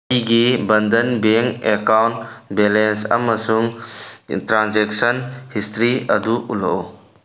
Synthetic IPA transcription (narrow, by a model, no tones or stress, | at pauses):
iɡibɐnd̪ənbeŋekawɳʈbɛlensɐ̰mːɐsuŋ | ʈɾãnzeksənhist̪ɾiɐd̪uʔulɔʔo